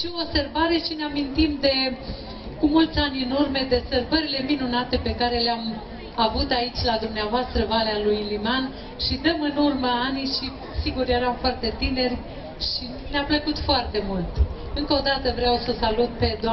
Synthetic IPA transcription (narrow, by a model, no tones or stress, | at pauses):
ʃioobse̞rbaɾe̞ʃineamint̪imd̪e̞ | kumult̪sʲanʲɨnurmed̪e̞sərbəɾile̞minunat̪e̞pe̞kaɾe̞leam | avut̪ait͡ʃʲlad̪umneavoast̪ɾəvalealujliman | ʃid̪əmɨnurməanijʃi | siɡuɾjeɾamfoart̪e̞t̪ine̞rʲ | ʃi | neapləkut̪foart̪e̞mult̪ | ɨŋkəod̪at̪əvɾeawsəsalut̪̚pe̞d̪a